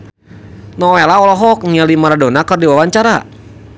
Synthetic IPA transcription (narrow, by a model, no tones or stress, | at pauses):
nɔwelaɔlɔɦɔk̚ŋialimaɾadonakərdiwawaɲt͡ʃaɾa